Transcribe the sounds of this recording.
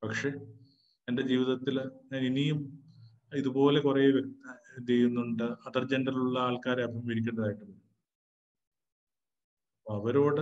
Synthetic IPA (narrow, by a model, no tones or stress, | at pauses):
pɐkʂe̞ | ende̞d͡ʑiːʋiðɐt̪ːilinijum | iðupo̞ːle̞kurejːʋɐɾut̪ːɐd͡ʑ̪ejunːuɳɖɨɐt̪ɐrd͡ʑe̞ndɐriluɭːɐaːɭkaːɾɐɐpːɐmʋiɽik̬ʲːeɳɖɐðaːjiʈːupːo | ɐpːoɐʋɐɾo̞ːɽe